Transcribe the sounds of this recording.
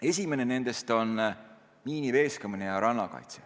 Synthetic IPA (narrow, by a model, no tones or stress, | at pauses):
e̞s̬ʲime̞nene̞nd̪e̞st̪o̞n | miːnive̞ːskɑminejɑɾɑnːɑkɑ̰jt̪se